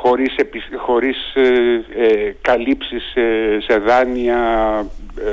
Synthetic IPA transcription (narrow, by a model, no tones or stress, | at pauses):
xo̞ɾisepisxo̞ɾis | ekɐlipsisse̞ðɐniɐ